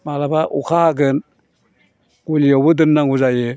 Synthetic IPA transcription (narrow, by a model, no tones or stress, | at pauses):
malabaʔukʰaːɡɯn | ɡ̥ulijawbɯdɯnːaŋuzajɯ